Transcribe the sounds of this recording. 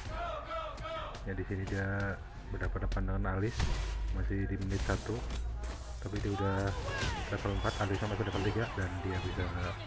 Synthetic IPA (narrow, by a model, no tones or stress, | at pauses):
jadisinidia | bərdapat̪̚dapat̪̚dəŋanalɪsmasɪhdimənɪt̪̚sat̪u | t̪apidiaudahlapat̪ləmpat̪alɪsjamasɪdapat̪t̪iɡaʔdandiabisa